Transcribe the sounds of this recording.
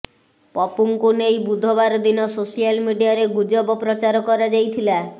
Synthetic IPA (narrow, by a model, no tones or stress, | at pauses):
pɔpuŋkunejbud̪ʱɔbaɾɔd̪inɔsosialmiɖijaɾeɡud͡ʒɔbɔpɾɔt͡ʃaɾɔkɔɾad͡ʒajt̪ʰila